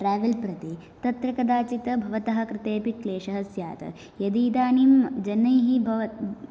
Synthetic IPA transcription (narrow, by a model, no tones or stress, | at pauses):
ʈɾaːʋɐlpɾɐt̪i | t̪ɐt̪ɾɐkɐd̪aːt͡ʃit̪ɐbʱɐʋɐt̪ɐɦɐkɾɪt̪eːpikleːʃɐɦɐsja̰ːt̪ɐ̰ | jɐd̪iːd̪aːnimd͡ʒɐnːɐjɦibʱɐʋɐ